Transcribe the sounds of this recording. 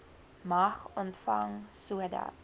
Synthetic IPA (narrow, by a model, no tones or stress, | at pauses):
mɐχɔntfɐŋsuədɐ̰